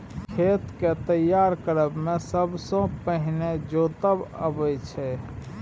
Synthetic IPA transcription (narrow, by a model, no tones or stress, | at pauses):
kʰet̪ket̪əjːaɾkəɾəbmesəbsõpəɦined͡ʒot̪əbə̰bət͡ʃʰɛ